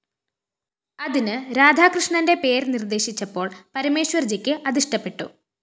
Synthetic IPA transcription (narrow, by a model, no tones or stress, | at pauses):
ɐðinɨɾaːd̪ʱaːkrɨʂɳɐnde̞pe̞ːɾnird̪e̞ːɕit͡ɕːɐpːo̞ːɭpɐɾɐme̞ːɕwɐrd͡ʑɐkʲːɨʔɐd̪iʂʈɐpːe̞ʈːṵ